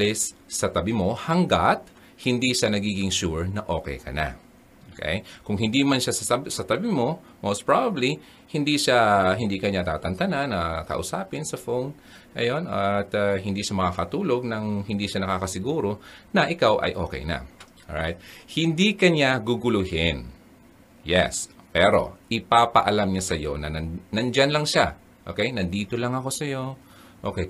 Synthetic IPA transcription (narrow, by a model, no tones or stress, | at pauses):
lɛsːɐt̪ɐbɪmo̞hɐŋɡat̪̚ | hɪnd̪iʃanɐɡiːɡɪŋʃuɹnɐʔo̞̰ːkɛ̰jkɐ̰na̰ | ʔokʰḛjkʊŋɦɪnd̪imɐnʃasɐɐbsɐt̪ɐbɪmo̞ | mowspɹabɐbli | hɪnd̪iʃaɦɪnd̪ikɐɲat̪a̰ːt̪ɐnt̪ɐnanːɐkɐ̰ʔʊsa̰ːpɪnsɐfown | ʔɐ̰jo̞nʔɐt̪ɐɦɪnd̪iːʃɐmɐŋakɐt̪uːlo̞ɡ̚nɐŋhɪnd̪iʃanɐkaːkɐsɪɡuːɾo̞nɐʔɪkawʔɐ̰jʔo̞̰ːkɛ̰jnɐ̰ʔoɹajt̪̚hɪnd̪ikɐɲaɡʊɡʊlʊhɪn | jɛ̰spɛɾo̞̰ʔɪpapɐʔɐlamɲasɐjo̞̰nɐ̰nɐnɐnd͡ʒanlɐŋʃa | ʔo̰kejnɐnd̪iːt̪olɐŋɐko̞sɐjo̞ | ʔo̞ːkɛj